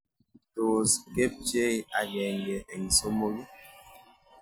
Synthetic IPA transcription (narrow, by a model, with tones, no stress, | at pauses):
to˨ske˦p̚t͡ʃe˦˨a˨ɣɛ˨ŋɡe˨e˨ŋi˨so˦mo˦ɣi˦